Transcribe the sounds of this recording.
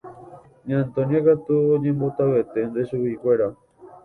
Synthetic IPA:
ɲant̪onjakat̪uoɲembot̪aβet̪end̪esuβikweɾa

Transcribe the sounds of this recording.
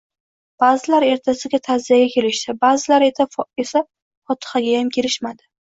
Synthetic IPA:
b̥aːzɪlaɾe̞ɾt̪ʰasɪɡʲat̪ʰazijaɡʲakʲʰe̞lɪʃt̪ɪbaːzɪlaɾeae̞sa | fɒt̪ʰɨ̥χaɡʲajamkʲʰe̞ɾɪʃmad̪ɪ

